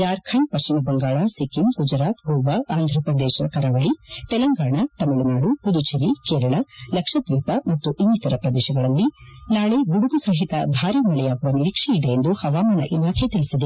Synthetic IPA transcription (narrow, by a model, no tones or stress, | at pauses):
jaːɾkʰɐɳpɐimɐbɐŋɡaːɭasikiŋɡud͡ʒɾaːt̪ɡoːʋaaːnd̪ʱɾɐpɾɐd̪eːʃɐkɐɾaʋɐɭit̪ɛlɐŋɡaːɳat̪ɐmɐɭunaːɽupud̪ut͡ʃiɾikeːɾɐɭɐlɐkʂɐd̪ʋiːpɐmɐt̪ːuʔind͡ʒit̪ɐɾɐpɾɐd̪eːʃɐɡɐɭɐlːinaːɭeɡuɽuɡusaɦit̪ɐ̰bʱaːɾiːmɐɭɛjaːɡɐʋɐniɾiːkʂiid̪eːnd̪uhɐʋaːmaːnɐ̰ʔilːaːt̪ʰet̪iɭisid̪e